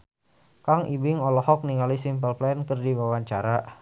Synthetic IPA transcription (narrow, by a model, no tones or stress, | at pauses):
kaŋibɪŋɔlɔhɔk̚niŋalisimpəlplɛnkərdibawaɲt͡ʃaɾa